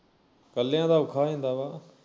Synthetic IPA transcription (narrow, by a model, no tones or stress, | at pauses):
kəlːjãːd̪aːʊkʰaːẽːnd̪aːbaː